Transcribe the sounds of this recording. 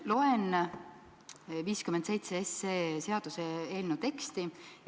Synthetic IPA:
lo̞en | viːskymend̪sejt̪seeseːse̞ɑd̪̥useeːlnut̪e̞kst̪i

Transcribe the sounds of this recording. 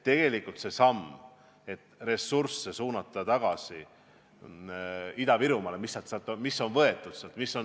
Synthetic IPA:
t̪e̞ɡ̥e̞likult̪se̞sɑm | e̞t̪ːˑre̞sursːesuːnɑt̪ːˑɑt̪ɑɡ̥ɑsi | id̪ɑviɾumɑle̞misːɑt̪sɑlt̪ːˑomisːo̞nvɤe̞t̪ːˑud̪̥seɑlt̪misːo̞n

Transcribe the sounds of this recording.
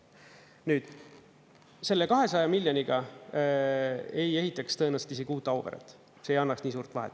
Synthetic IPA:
nyːd̪̥ | se̞lːekɑɦe̞sɑjɑmilʲjoniɡ̥ɑ | e̞je̞ɦit̪ːˑɑkst̪ɤ̞enɑset̪is̬ekuːt̪ːˑɑwveɾḛt̪ːˑ | seːjɑnːɑksniːsuːrt̪ˑvɑɦḛt̪ːˑ

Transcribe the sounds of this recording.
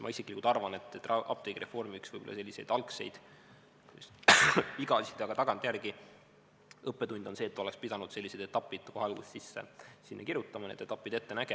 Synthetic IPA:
mɑ̰isekilikut̪ɑrvɑne̞t̪ːet̪ːrɑɑ̰p̚t̪eɡɾʔe̞fo̞rmiksv̥ɤjb̥olɑse̞lʲːise̞jd̪ɑlkse̞̰jd̪̥ | s | iɡɑsi̥t̪ːˑeɑɡ̥ɑt̪ɑɡ̥ɑnt̪ˑjærɡ̥i | ɤpːe̞t̪unʲd̪o̞nse̞ːt̪ːolekspid̪ɑnud̪̥se̞lʲːise̞jd̪̥e̞t̪ːɑpːˑid̪̥kohɑlɡusːisːesinːɑkiɾjut̪ːˑɑmɑnḛːd̪̥e̞t̪ɑpːˑid̪̥e̞t̪ːe̞næɡ̥e

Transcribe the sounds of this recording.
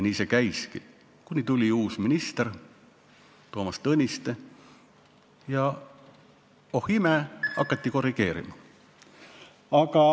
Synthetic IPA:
niːsekæjskḭ | kunʲit̪ulʲiuːsminist̪eɾ | t̪o̞ːmɑst̪ɤnʲist̪e | jɑ | o̞himeɑkːˑɑt̪ːiko̞riɡ̥e̞ːɾḭmɑ | ɑkɑ

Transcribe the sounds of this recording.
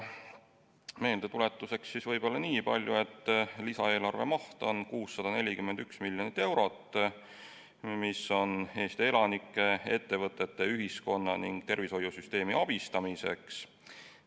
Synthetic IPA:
me̞ːld̪e̞t̪ule̞t̪ˑːuse̞ksːisvɤjbo̞lːɑniːpɑlʲjue̞t̪ːlisɑ̰e̞ːlɑrve̞̰mɑht̪onkuːsːɑd̪̥ɑne̞lʲikymːend̪yksmilʲjo̞nit̪ːˑe̞wɾo̞t̪ːˑ | misːo̞ne̞ːst̪ee̞lɑnikːˑe̞e̞t̪ːe̞vɤt̪ːˑe̞t̪ːe̞yɦisko̞nːɑ̰niŋɡ̥̚t̪e̞rviso̞jusyst̪e̞ːmiɑb̥ist̪ɑmise̞̰ks

